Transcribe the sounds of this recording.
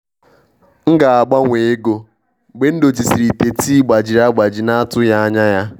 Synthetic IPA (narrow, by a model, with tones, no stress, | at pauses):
ŋ̩˦ɡa˨a˨ɡ͡ba˦ŋʷe˨e˦ɡo˦˨ | ɡ͡be˦n̩˦do˨t͡ʃi˨si˨ɾi˨te˨ti˦ɡ͡ba˨d͡ʒi˨ɾa˦ɡ͡ba˨d͡ʒi˨na˦a˦tʊ˦ja˦a˦ɲa˦ja˦